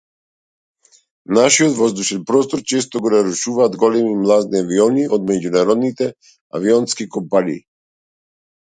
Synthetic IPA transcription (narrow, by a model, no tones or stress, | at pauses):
naʃiot̪vɔzd̪uʃɛnpɾɔst̪ɔɾt͡ʃɛst̪ɔɡɔnaɾuʃuvaːd̪ɡɔlɛmimlˠad̪niaviɔniʔɔd̪mɛɟunaɾɔd̪nit̪ɛ | a̰viɔnskikɔmpaniː